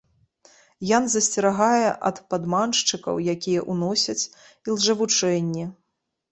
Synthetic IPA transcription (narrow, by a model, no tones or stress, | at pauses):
janzɐsʲt͡sʲɛɾaɣajɛʔɐ̰t̪pad̪manʂt͡ʂɨkɐ̰wjakʲijɛʔunɔsʲɐt͡sʲ | ilˠʐɐvut͡ʂɛnʲːɛ